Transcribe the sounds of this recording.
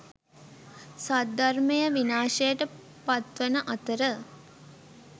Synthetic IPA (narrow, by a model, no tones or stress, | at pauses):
sad̪armejəʋinaːʃejəʈə | pat̪ʋənəʔat̪əɾə